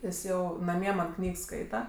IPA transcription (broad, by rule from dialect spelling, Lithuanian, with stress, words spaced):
ˈjɪs ˈjɛʊ nɐˈmʲiɛ mɐn ˈknʲiːks ˈskɐɪtɐ